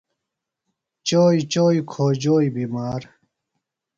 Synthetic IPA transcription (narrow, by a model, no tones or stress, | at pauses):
t͡ɕoːjt͡ɕoːjkʰoːd͡ʑoːjbiːmaːɾ